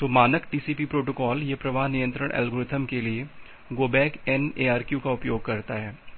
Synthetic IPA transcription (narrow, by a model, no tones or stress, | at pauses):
t̪oːmaːnəkʈiːsiːpipɾoːʈokɔːljepɾɐʋaːɦnijə̃nt̪ɾəɽ̃ʔɛ̰lɡʊɾɪt̪ʰəmkelie | ɡoːbɛːkɛneːaːɾkjukaʊpjoːɡ̚kɐɾt̪aɦɛː